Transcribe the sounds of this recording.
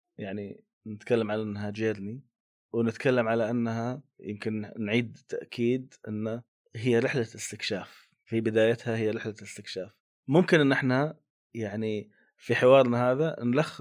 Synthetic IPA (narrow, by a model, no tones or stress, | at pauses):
jaʕni | nɪt̪kalːamʕalaʔanːhad͡ʒeːɾni | wnɪt̪kʰalːamʕalaʔanːhajɪ̰mkɪnnʕiːd̪t̪ːaʔkʰiːd̪ʔɪ̰nːa | ɦɪjːaɾɪħlaɪst̪ɪkʃaːf | fibɪd̪aːjat̪hahɪjːaɾɪħlaɪst̪ɪkʃaːf | mʊmkɪnʔɪnːʔɪħna | jaʕni | fiħɪwɑːɾˤnaɦaːðanlaxː